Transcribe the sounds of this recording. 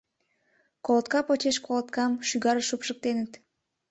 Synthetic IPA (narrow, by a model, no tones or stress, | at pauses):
kolot̪kɑpot͡ʃeʃkolˠət̪kɑmʃyɣɑɾʃupʃək̚t̪enət̪